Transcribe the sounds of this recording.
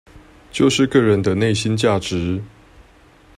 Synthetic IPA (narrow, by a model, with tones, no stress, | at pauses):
t͡ɕjo˥˧ʊʂɻ̩˥˧kɤ˥˩ɻə˨˦nd̪ə˧ne˥˨ɪɕi˦nt͡ɕja˥˩ʈ͡ʂɻ̩˨˦